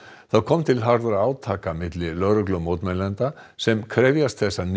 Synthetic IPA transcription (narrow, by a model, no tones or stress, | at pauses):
θawkʰɔmt̪ʰɪlɦaɾðɾaaːwt̪ʰaːkamɪt̪lɪlœɾʏklʏmowt̪mɛnlɛnt̪a | sɛmkʰɾɛvjast̪θɛsːan